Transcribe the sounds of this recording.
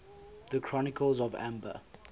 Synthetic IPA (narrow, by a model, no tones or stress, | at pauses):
ðəkʰɹ̥ɔnɪkəlˠzɔvæ̰̃mbə̰